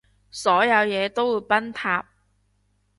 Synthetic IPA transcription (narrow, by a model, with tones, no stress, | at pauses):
sɔː˨˥jɐ˨˧wjɛː˨˧t̪o˥wuː˨˧jpɐ˥nt̪ʰaː˧p̚